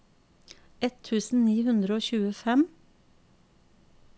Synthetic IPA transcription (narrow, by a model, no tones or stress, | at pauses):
ɛt̪ʰʉːsn̩niːhʉnd̪ɾəoːçʉːəfɛm